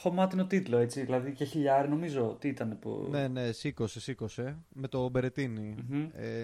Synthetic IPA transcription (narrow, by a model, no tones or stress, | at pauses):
xo̞mɐt̪inot̪it̪lo̞e̞t͡siðilɐðiceçiʎɐɾeno̞mizo̞t̪iit̪ɐne̞pṵne̞ne̞siko̞sesiko̞se̞me̞t̪o̞be̞ɾe̞t̪inim̩e